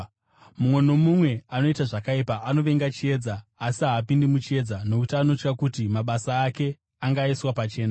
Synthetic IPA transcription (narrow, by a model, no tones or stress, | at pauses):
mumwe̞no̞mumwe̞ano̞itaʐakaipaːno̞ʋe̞ŋɡat͡ʃie̞ːd͡zaːsiɦaːpindimut͡ʃie̞d͡zano̞kutiano̞t͡ʃkakutimaɓasaːke̞ | aŋɡaiswapat͡ʃe̞ːna